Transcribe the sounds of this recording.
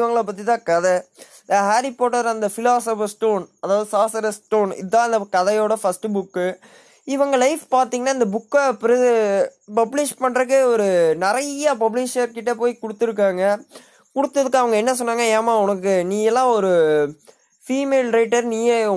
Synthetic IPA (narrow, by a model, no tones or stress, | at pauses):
ɪʋɐŋɡɐɭɐp̬ɐt̪̬ːit̪ãːkɐðɛ | d̪ɦaːɾɪpoːʈːɐɾɐnd̪ɐfɪlaːsɐfɐsʈoːnɐðaːʋɐðɯsaːsɐɾɐsʈoːnɪ̰ðãːɐɪnd̪ɐkɐðɐjoːɽɐfɐsʈɯbʊkːɯ | ɪʋɐŋɡɐlɐɪfpaːɾt̪iːŋɡɐnːaːɪnd̪ɐbʊkːɐpɾɐ | pɐblɪʂpɐɳːɾɐkɯɔɾɯnɪɾɐjɐpɐblɪʂɐɾkɪʈːɐpoːjkʊɽɯt̪ːɯɾɯk̬ːaːŋɡɐ | kʊɽɯt̪ːɐðɯkːɐʋɐŋɡɐɛnːɐsɔnːaːŋɡɐeːmaːʊnɐkːɯniːjɛlːãːɔɾɯ | fiːmeːlɾɐɪʈːɐɾniːjɐ